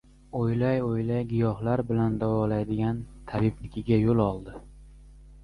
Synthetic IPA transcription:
ojlajojlajɡʲijɒhlaɾbɪland̪avɒlajd̪ɪɡʲant̪ʰabɪpnɪkʲɪɡʲajolˠɒlˠd̪ɪ

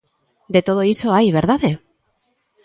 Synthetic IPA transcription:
d̪et̪oð̞oisoajβ̞eɾðaðe

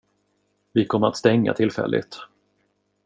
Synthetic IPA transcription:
vɪkʰɔmːəɾa̰t̪st̪ɛŋːa̰t̪ʰɪlfɛ̰lːʔɪ̰t̪

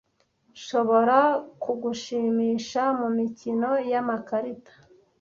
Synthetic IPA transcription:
ʃo̞βo̞ɾakuɡuʃiːmiːʃamumicino̞jamakaɾitḁ

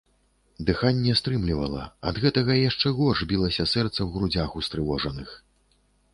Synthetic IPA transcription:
d̪ɨxanʲːɛst̪ɾɨmlʲivɐ̰lˠɐ̰ɐ̰d̪ɣɛt̪ɐɣɐjaʂt͡ʂɛɣɔʐbʲilˠɐsʲɐsɛrt̪sɐwɣɾud͡zʲaxust̪ɾɨvɔʐɐnɨx

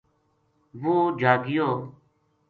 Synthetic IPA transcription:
ʋuːd͡ʒʱaːɡɪjoː

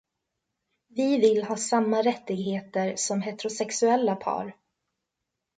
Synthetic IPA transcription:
vɪvɪlhɑːsamːaɾɛt̪ːɪɡɦeːt̪əɾsɔmɦeːt̪ɛɾʊsɛksɵɛlːapʰɑ̰ːɾ

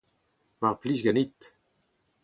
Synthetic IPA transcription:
vaʁplisɡanit̪

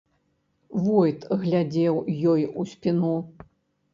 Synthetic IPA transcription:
vɔjt̪ɣlʲad͡zʲɛwjɔjusʲpʲinu

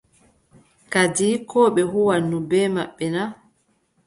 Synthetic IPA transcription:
kadiːkɔːɓɛɦuwanːubɛːmaɓːɛna

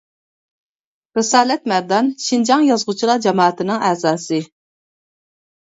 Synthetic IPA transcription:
ɾɨsɑːlɛt̪mæɾd̪ɑnʃind͡ʒɑŋjɑzʁʊt͡ʃʰilˠɑd͡ʒɑmɑːt̪ʰɨnɨŋɛzɑːsɨ

